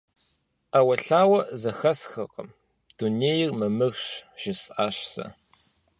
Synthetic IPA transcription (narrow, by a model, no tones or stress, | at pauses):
ʔawɐɬaːwɐzɐxɐsxɨqəm | d̥uneːjɪrmɨmɨɣɕʒ̥ɪsʼʔaːɕsɐ̰